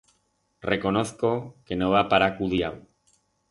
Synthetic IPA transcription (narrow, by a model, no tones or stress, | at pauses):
reko̞noθkokenoβapaɾakuðia̰w